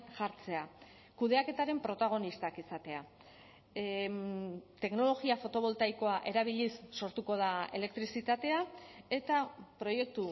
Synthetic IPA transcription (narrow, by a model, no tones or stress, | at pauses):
ʝaɾt͡se̞a | kuðeake̞t̪aɾe̞mpɾo̞t̪aɣ̞o̞nist̪akisat̪e̞a | t̪e̞kno̞lo̞ɣiafo̞t̪o̞βo̞lt̪ajko̞aʔe̞ɾaβ̞iʎisːo̞ɾt̪uko̞ðae̞le̞kt̪ɾisit̪at̪e̞ae̞t̪apɾo̞je̞k̚t̪u